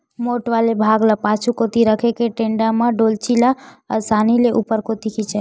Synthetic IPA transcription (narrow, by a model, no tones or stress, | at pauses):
moʈʋalebʱaɡlapat͡ʃʰukot̪iɾəkʰekeʈẽɳɖamãɖolt͡ʃilaəsanileʔupəɾkot̪ikʰit͡ʃʰe